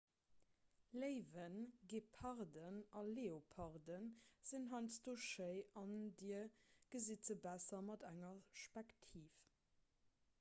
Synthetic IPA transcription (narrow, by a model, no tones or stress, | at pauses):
ləɪvənɡeːpʰɑʁdənɑleːopʰɑʁdənz̥inɦɑɪnsd̥oːʃəɪɑndiːəɡ̥əzit͡səbæsɐmɑdæŋɐʃpæktʰiːf